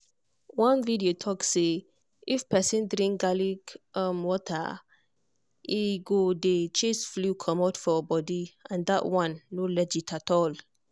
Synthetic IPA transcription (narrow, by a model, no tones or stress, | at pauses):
wɔ̃nvidiotʰɔksːe | ifpɛsĩndɹĩŋk̚ɡaliɡamwɔtʰa̰ | iɡodet͡ʃesflukʰɔmɔtfɔbɔdiãndaʔwãnːolɛd͡ʒitʰatɔl